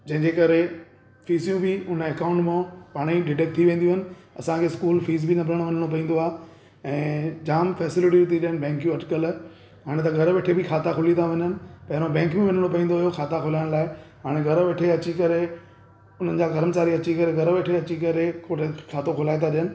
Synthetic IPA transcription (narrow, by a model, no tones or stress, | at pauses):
d͡ʑɐ̃ɦɪ̃ɲd͡ʑekɐɾe | fiːzijũbɪʊneːkãːʊ̃ɳʈmãpaːɽ̃iɖɪʈek̚t̪ʰiʋẽːnd̪jũɦɪnɪ̆ɐsãkʰeːskuːlfiːz̬bɪnɐbʱɪɾəɽ̃ʋɐɲəɽ̃opɐĩːn̆d̪oaːɦ | ɛ̃ːd͡ʑaːmfɛːsɪlɪʈ̬it̪ʰiɗiənɪ̆bɛ̃ːŋkijũɐʈkəl | ɦaːɽ̃ẽt̪̬ɐɡʱɐɾəʋeːʈʰebɪkʰaːt̪ʰakʰʊlit̪ʰaʋɐɲənɪ̆pɐɦɪɾobɛ̃ːŋkmẽʋɐɲəɽ̃opɐĩːnd̪oːɦjoxʰaːt̪akʰʊlaːɪɽ̃laːɪɦaːɽ̃eɡʱɐɾʋeːʈʰeɐt͡ɕikɐɾe | ʊn̤ənɪ̆d͡ʑaːɡɐɾəmt͡ɕaːɾiɐt͡ɕikɐɾeɡɐɾəʋeːʈʰeɐt͡ɕikɐɾekʰoekʰaːt̪okʰʊlaːet̪ʰaɗijənɪ̆